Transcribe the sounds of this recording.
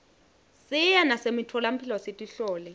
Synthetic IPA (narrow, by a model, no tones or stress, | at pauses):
sɪjanasemitʰɔlam̩pʰilɔsetʼiɬɔːlɛ